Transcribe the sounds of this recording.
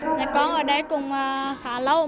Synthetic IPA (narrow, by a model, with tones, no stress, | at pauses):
laː˨˩kɔ˧˦nʔəː˧˩ɗə˧˦jkʊ˨˩ŋ͡mʔə˨˩xaː˧˨˦lə˨˧˦w